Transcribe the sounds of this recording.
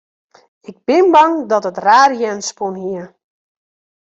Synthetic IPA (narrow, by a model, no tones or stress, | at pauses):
ɪɡ̚bɪnbɑŋdɔtətraːrjɛnspunɦiə